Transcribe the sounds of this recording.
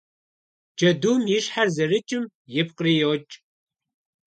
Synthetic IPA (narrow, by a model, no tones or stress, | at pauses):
d͡ʒɐduːmjɪʂħarzɐrɨt͡ʃʼɪm | jɪpqriːjowt͡ʃʼ